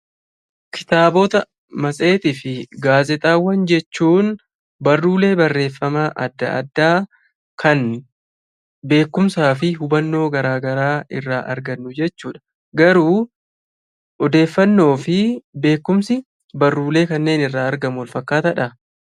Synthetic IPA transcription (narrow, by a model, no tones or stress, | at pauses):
kʰɪ̥t̪aːbo̞ːt̪ɐ | mɐsʼe̞ːt̪ɪːfɪɡaːzɛt̪ʼaːwːɐnd͡ʒɛt͡ʃːuːn | bɐrːuːle̞ːbɐrːe̞ːfːɐmaːʔɐd̪ːɐ̰ɐ̰d̪ːaː | kɐn | be̞ːkːʊmsaːfɪɦʊbɐnːo̞ːɡɐɾaːɡɐɾaːɪrːaːʔɐɾɡɐnːʊd͡ʒɛt͡ʃːuːᶑɐ̥ | ɡɐɾuː | ɔd̪e̞ːfːɐnːo̞ːfɪbe̞ːkːʊmsɪ | bɐrːuːle̞ːkɐnːe̞ːnɪrːaːɐɾɡɐmʊwlfɐkːaːt̪ɐᶑɐ